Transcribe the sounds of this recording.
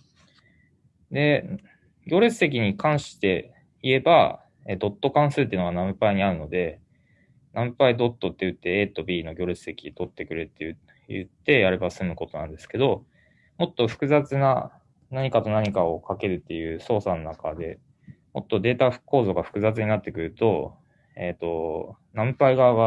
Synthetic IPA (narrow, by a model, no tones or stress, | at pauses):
d̪e̞ | ɡʲo̞ːɾesɨ̥se̞k̬ʲiɲ̟ikãɰ̃ɕi̥t̪e̞ | ie̞ba̰ | ed̪o̞t̪ːo̞kãɰ̃sɨːt̪̬ːeɯ̟noɡanãmɯ̟paiɲ̟iaɾɯ̟no̞d̪e̞ | namɯpaid̪o̞t̪ːo̞t̪ːe̞jɯ̟t̪ːe̞eːt̪o̞bʲiːno̞ɡʲo̞ːɾet͡sɨ̥se̞kʲit̪o̞t̪ːe̞kɯ̟ɾet̪ːejɯ | jɯ̰t̪ːe̞jaɾe̞basɨmɯ̟ko̞t̪o̞nãnd̪e̞sɨ̥ke̞d̪o̞ | mo̞t̪ːo̞ɸɯ̟̥kɯ̟zat͡sɨna̰ | naɲ̟ikat̪o̞naɲ̟ikao̞kake̞ɾɯ̟t̪ːe̞jɯ̟ːso̞ːsano̞nakad̪e̞ | mo̞t̪ːo̞d̪e̞ːt̪ḁko̞ːzo̞ɡaɸɯ̥kɯ̟zat͡sɨɲ̟inat̪ːe̞kɯ̟ɾɯ̟t̪o̞ | et̪o̞nãmɯpaiɡaɡa